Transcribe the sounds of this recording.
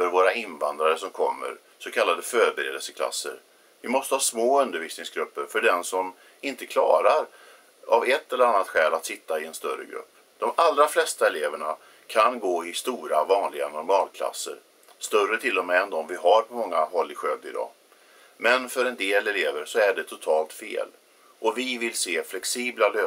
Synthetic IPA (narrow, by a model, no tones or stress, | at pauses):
fœɾvoːɾaɪnvand̪ɾaɾəsɔmkʰɔmːə̰ɾ | sɔkʰalːad̪əfœːɾbɛɾḛːd̪əlsəkʰla̰sːə̰ɾ | vɪmɔst̪əhɑːsmoːɵnd̪əɾviːsnɪŋsɡɾɵpːəɾfœɖɛnsɔm | ɪnt̪əkʰlɑ̰ːɾaɾ | avɛt̪ːɛləɾanːat̪ɧɛːlat̪sɪt̪ːaɪɛnst̪œrːə̰ɡɾɵ̰pː | d̪̥ɔmalɾaflɛst̪aɛleːvəɳa | kʰanɡoːɪst̪uːɾavɑːnlɪɡa̰nʊɾmɑːlkʰla̰sːə̰ɾ | st̪œrət̪ʰɪlːɔmɛɛnd̪ɔmvɪɦaɾpʰɔmɔŋːaɦɔlːɪɧøːɡd̪ɪd̪ɑ̰ː | mɛnfœɾɛnd̪eːlɛleːvəɾsɔæɖɛt̪ʰʊt̪ʰɑːlt̪fḛːl | ʔɔvɪvɪlseːflɛksiːblaløː